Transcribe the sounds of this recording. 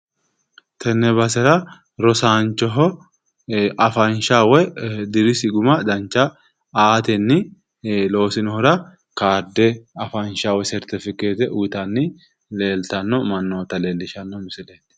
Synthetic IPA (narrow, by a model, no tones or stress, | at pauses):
t̪ʰɛnːɛbɐsɛɾɐ | ɾɔsaːnt͡ʃːɔɦɔ | ʔɐfɐnʃawɔjd̪ɪɾɪsɪɡʊmɐd̪ɐnt͡ʃːɐ | aːt̪ɛnːɪ | lo̞ːsɪnɔhɔɾɐ | kaːɾd̪ɛɐfɐnʃaːwɔsɛɾt̪ɪfɪke̞ːt̪ɛʔuːt̪ɐnːɪ | le̞ːlt̪ɐnːɔmɐnːoːt̪ːɐle̞ːlːɪʃɐnːɔmɪsɪleːt̪